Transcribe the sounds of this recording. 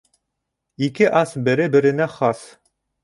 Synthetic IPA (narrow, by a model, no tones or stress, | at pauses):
ikɘʔɑsbɘ̆ɾɘbɘ̆ɾɘ̆næχɑs